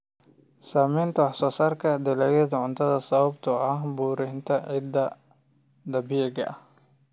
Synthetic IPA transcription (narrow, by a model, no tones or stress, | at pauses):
saːmɛjnt̪ʰɐwɑħsɔːsaːrkʰɐd̪ɛlɛjɛd̪ɐʕʊnt̪ʰɐðɐsɐβɐbt̪ʰɐɐɦbuːɾɪnt̪ʰɐʕɪd̪ɐ | d̪ɐbiːɡɐʔɐh